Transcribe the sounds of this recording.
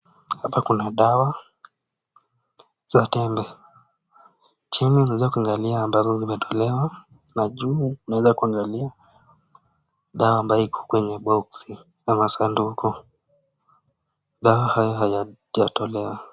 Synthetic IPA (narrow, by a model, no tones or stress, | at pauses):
hapakunaɗawa | z̥atɛmbɛ | t͡ʃimiunawɛzakuaŋɡaliaːmbazɔzimɛtʰɔ̥lɛwa | naʄuːunawɛzakuaŋɡalia | ɗawaːmbaɔikʰɔ̥kwɛɲɛɓɔksi | jamasandukʰɔ | ɗawahajɔɦaja | jatɔlɛwa